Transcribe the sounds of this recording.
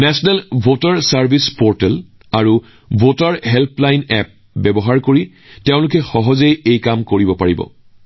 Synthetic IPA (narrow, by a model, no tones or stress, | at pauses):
nɛsɔnɛlbʱotaɹsaɹbʱispɔɹtɛl | aɹu | bʱotaɹɦɛlplajnɛ̰p̚ | bɛbɔɦaɹkoɹi | teʊ̃lʊkɛxɔɦɔzejejkamkoɹibɔpaɹibɔ̰